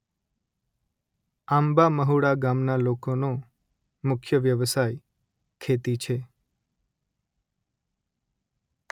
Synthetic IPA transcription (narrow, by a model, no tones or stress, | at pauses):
ambaməɦuɽaɡamnalokono | mʊkʰjəʋjəʋəsaj | kʰet̪it͡ʃʰe